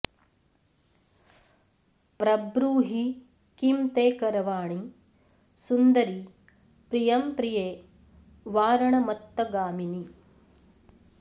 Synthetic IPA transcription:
pɾɐbɾuːɦi | kimt̪eːkɐɾɐʋaːɳi | sund̪ɐɾi | pɾijɐmpɾijeː | ʋaːɾɐɳɐmɐt̪ːɐɡaːmini

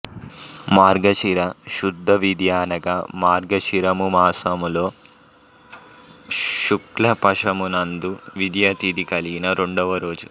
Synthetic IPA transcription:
maːɾɡɐt͡ʃiɾɐʃud̪ʱːɐʋid̪jaːnɐɡɐmaːɾɡɐt͡ʃiɾɐmumaːsɐmuloː | ʃuklɐpɐʂɐmunɐnd̪uʋid̪jɐt̪id̪ikɐliɡinɐɾe̞ɳɖɔʋɐɾo̞ːd͡ʒu

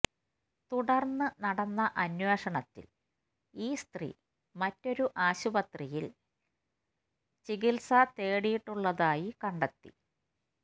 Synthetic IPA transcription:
t̪uɽɐrnːɨnɐɽɐnːɐʔɐnweːʂɐɳɐt̪ːḭl | iːst̪rḭ | mɐtːo̞ɾuʔaːɕubɐt̪rijil | t͡ɕiɡilsɐt̪e̞ːɽijiʈːuɭːɐðaːjikɐɳɖɐt̪ːḭ

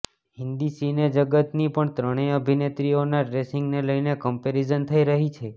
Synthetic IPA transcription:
hɪnd̪isined͡ʒəɡət̪nipəɳt̪ɾəɽ̃eəbʱinet̪ɾionaɖɾesɪŋɡneləjnekəmpeɾid͡ʒənt̪ʰəiɾəɦit͡ʃʰe

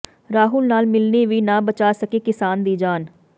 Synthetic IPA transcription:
ɾaːɦʊlnaːlmɪlneːʋiːnãːbət͡ʃaːsəkeːkɪsaːnd̪iːd͡ʒaːn

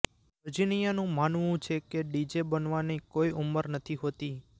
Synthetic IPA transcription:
əd͡ʒinijanũmanʋũt͡ʃʰekeɖid͡ʒebənʋanikoiuməɾnət̪ʰiɦot̪i

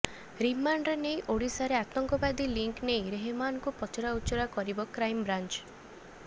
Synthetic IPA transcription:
ɾimanɖɾenejʔoɽisaɾeat̪ɔŋkɔbad̪iliŋknejɾeɦemanŋkupɔt͡ʃɔɾaut͡ʃɔɾakɔɾibɔkɾajmbɾant͡ʃ

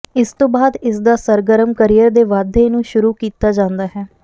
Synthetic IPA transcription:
ɪst̪õːbaːd̪ɪsd̪aːsəɾɡəɾəmkəɾijəɾd̪eːʋaːd̪ʱeːnũːʃʊɾuːkiːt̪aːd͡ʒãːnd̪aːɦɛː

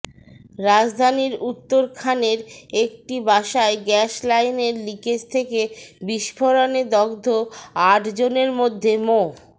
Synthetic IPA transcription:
ɾad͡ʑd̪ʱaniɾut̪ːoɾkʰaneɾek̚ʈibaʃaeɡɛʃlajneɾliket͡ɕt̪ʰekebiʃfʰoɾaned̪ɔɡd̪ʱoaʈd͡ʑoneɾmod̪ʱːemo

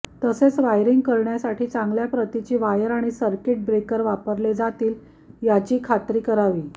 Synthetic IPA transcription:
t̪əset͡sʋajɾiŋɡkəɾɳjasaʈʰiːt͡sãŋɡljapɾət̪it͡ɕiːʋajəɾaɽ̃isəɾkeʈ̚bɾekəɾʋapəɾled͡zat̪iːl | jat͡ɕiːkʰat̪ɾiːkəɾaʋiː

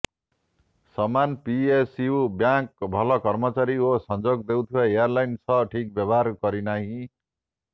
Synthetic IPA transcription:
sʌmanpiesiubjãk̚bʱʌlʌkʌrmʌt͡saɾiosʌnd͡zoɡ̚d̪ew̃t̪ʰuwaejarlajnsʰʌʈʰik̚bjʌbʌarkʌɾinaɦĩ

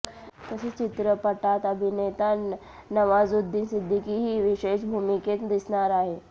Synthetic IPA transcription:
k̪əset͡ʃit̪ɾəpəʈat̪əbʱinet̪a | nɐʋazud̪ʱːinsid̪ʱːikiɦiʋiʃeːʃbʱumiket̪d̪isnaɾaːɦe

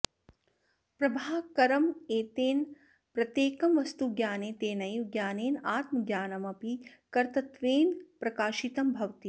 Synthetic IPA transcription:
pɾɐbʱaːkɐɾɐmeːt̪eːn | pɾɐt̪jeːkɐmʋɐst̪uɡjaːneːt̪eːnɐjuɡjaːneːnaːt̪mɐɡjaːnɐmɐpikɐɾt̪ɐt̪ʋeːnpɾɐkaːʃit̪ɐmbʱɐʋt̪i

